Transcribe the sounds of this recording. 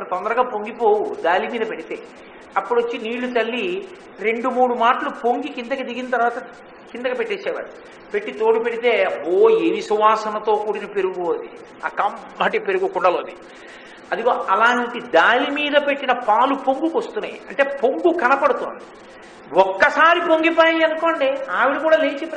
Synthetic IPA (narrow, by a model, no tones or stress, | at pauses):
mɐnɐt̪ɔnd̪ɐɾɐɡaːpoŋɡipo̞ːwud̪aːlimiːd̪ɐpe̞ɽit̪e̞ː | ɐpːuɽot͡ʃːiniːɭːut̪ɐlːi | ɾe̞ɳɖumuːɽumaːʈɐlupo̞ŋɡikind̪ɐkɐd̪iɡinɐt̪ɐɾʋaːt̪ɐ | kind̪ɐkɐpe̞ʈːɛːt͡ʃːɛːʋa̰ːɽu | pe̞ʈːit̪o̞ːɽipe̞ɽit̪e̞ːoːelisuʋaːsɐnɐt̪o̞ːkuːɽinɐpe̞ɾuɡud̪ḭ | a̰ːkɐmbaːʈipeɾuɡukuɳɖɐloːd̪i | ɐd̪uɡoːɐlaːnʈid̪aːlimiːd̪ɐpe̞ʈːinɐpaːlupoŋɡukost̪unːa̰ːjḭɐɳʈe̞ːpoŋɡukɐnɐpɐɽut̪oːnd̪i | wɔkːɐsaːɾipoŋɡipaːjɐnko̞ːɳɖeaːʋiɽikuːɽaːleːt͡ʃepː